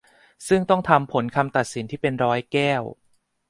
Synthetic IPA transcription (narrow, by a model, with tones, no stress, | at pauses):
sɯ˥˩ŋt̪ɔ˥˩ŋt̪ʰa˧mpʰo˩˦nkʰa˧mt̪a˨˩t̪̚si˩˦nt̪ʰiː˥˩pe˧nɾɔː˦˥jkɛː˥˩w